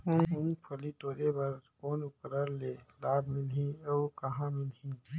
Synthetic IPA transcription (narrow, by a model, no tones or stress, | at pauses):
ɦũũːpʰɐlit̪oːɾebɐɾkoːnʊkɾəɾleːlaːbʱmɪlɦĩoːkɐɦãmɪlɦĩ